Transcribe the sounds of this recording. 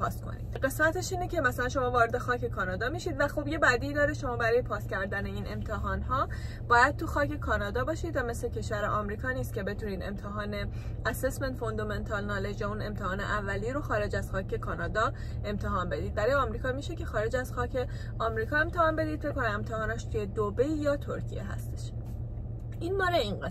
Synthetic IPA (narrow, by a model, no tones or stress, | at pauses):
pʰɒ̰ːst̪kʰo̰nḭd̪ɢe̞smæt̪ʰe̞ʃiːnecʰe̞mæsælænʃo̞mɒːvɒːɾed̪exɒːcʰe̞kʰɒːnɒːd̪ɒːmiʃid̪væxobje̞bæːd̪iːd̪ɒːɾeʃo̞mɒːbæɾɒːje̞pʰɒːst̪cʲʰæɾd̪æne̞inʔe̞̰mt̪ʰeɦɒːnɦɒː | b̥ɒːjæd̪̥̚t̪ʰuxɒːce̞kʰɒːnɒːd̪ɒːbɒːʃid̪væme̞slecʰe̞ʃvæɾeʔɒmɾiːkʰɒːniːst̪kʲcʰe̞be̞t̪ʰuniːd̪e̞̰mt̪ʰeɦɒːne̞ | æsesment̪fond̪oment̪ʰɒlnɒːled͡ʒjæune̞mt̪ʰehɒːnḛʔævːæliɾoxɒːɾe̞d͡ʒæz̥xɒːcʰe̞kʰɒːnɒːd̪ɒ | e̞mt̪ʰeɦɒːnbe̞d̪iːd̪̚bæɾɒːjɒmɾiːkʰɒːmiːʃe̞ce̞xɒːɾe̞d͡ʒæz̥xɒːcʰe̞ | ɒmɾiːkʰɒːe̞mt̪ʰehɒːnbe̞d̪id̪fekːonæne̞mt̪ʰehɒːnæʃt̪ʰuje̞d̪obejjɒːt̪ʰoɾcʰḭje̞̰ɦæ̰st̪e̥ʃ | ʔinmɒːɾeinɢe